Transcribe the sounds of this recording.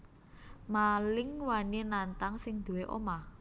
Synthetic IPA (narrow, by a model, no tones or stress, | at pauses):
malɪŋwaninant̪aŋsɪŋd̪̥ṳweʔo̰ma